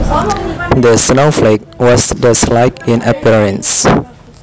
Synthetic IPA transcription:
dəsnoflek̚wɔsdəslajkĩnəpiɹə̃ns

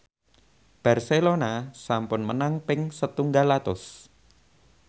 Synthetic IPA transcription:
b̥a̤rselonasampʊnmənaŋpɪŋsət̪uŋɡalːat̪ʊ̰s

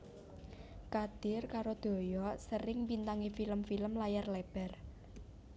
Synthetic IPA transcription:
kad̪̥ɪ̤rkaɾod̪̥o̤jɔsəɾɪŋpint̪aŋefiləmfiləmlajarlɛb̥ɛ̤r

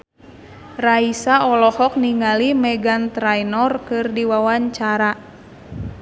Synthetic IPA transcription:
raisaɔlɔhɔk̚niŋalimɛɡant̪ɾajnɔrkɨrdiwawaɲt͡ʃaɾa

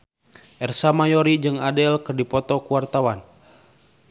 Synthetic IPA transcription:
ʔɛrsamajɔɾid͡ʒɨŋadɛlkɨrdipɔt̪ɔkuwart̪awan

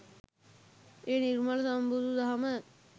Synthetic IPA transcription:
eːnirmalɐsɐmbud̪ʱud̪ɐɦamə

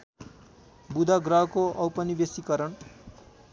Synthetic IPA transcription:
bud̪ʱaɡrʌɦkoʔʌwpʌnibesikʌɾʌɳ

